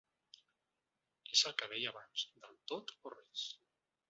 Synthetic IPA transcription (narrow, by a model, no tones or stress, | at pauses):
ezəlˠkəβɛjaβanz̥d̪əlˠt̪ot̪ores